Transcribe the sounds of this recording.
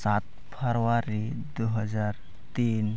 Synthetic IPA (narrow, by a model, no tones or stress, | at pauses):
sat̪̚ | pʰəɾwaɾi | d̪uɦəd͡zaɾ | t̪in